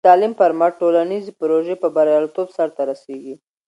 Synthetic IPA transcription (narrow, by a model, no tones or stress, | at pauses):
t̪ɑlimfaɾmaʈolanizepɾoʒepəbaɾjɑlt̪obsaɾt̪aɾaseɡi